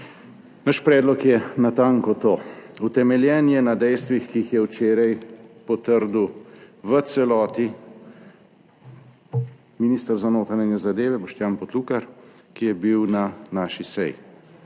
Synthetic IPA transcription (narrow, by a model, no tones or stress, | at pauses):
naʃpɾɛːd̪lɔkjɛnat̪aŋkɔt̪oːut̪ɛmɛljɛːnjɛnad̪ɛjst̪ʋixkiixjɛwt͡ʃeːɾɛjpɔt̪əɾd̪uʋət̪sɛlɔːt̪i | miniːst̪əɾzanoːt̪ɾananɛzad̪eːʋɛbɔʃt̪jaːnpɔt̪luːkaɾkijɛbiwnanaːʃisɛ̰jḭ